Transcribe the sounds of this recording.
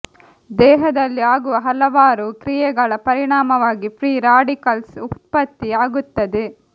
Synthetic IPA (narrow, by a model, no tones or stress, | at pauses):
d̪ɛːɦɐd̪ɐlːiaːɡuʋɐɦɐlɐʋaːɾukɾijɛɡɐɭɐpɐɾiɳaːmɐʋaːɡipɾiːɾaːɖikɐlsut̪̚pɐt̪ːiaːɡut̪ːɐd̪e